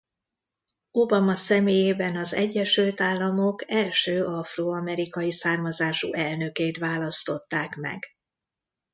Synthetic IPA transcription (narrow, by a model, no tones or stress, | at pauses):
obɒmɒsɛmeːjeːbɛnɒzɛ̰ɟːɛʃylt̪aːlːɒmokɛlʃøːɒfroːɒmɛɾikɒjisaːrmɒzaːʃṵʔɛlnø̞keːt̪ʋaːlɒst̪o̞t̪ːaːkmɛ̰ɡ